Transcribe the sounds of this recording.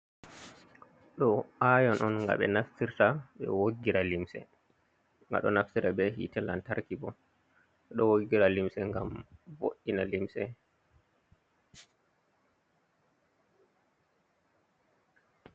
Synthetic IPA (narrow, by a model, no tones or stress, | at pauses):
ɗɔʔajɔnʔɔnŋɡa̰ɓɛ̰naftiɾtaɓɛ̰woɡːiɾalimsɛ̰ | ŋɡa̰ɗɔnaftiɾabɛɦḭtɛlantaɾkibɔ | ɛɗɔwoɡːiɾalimsɛŋɡamvo̰ɗinalimsɛ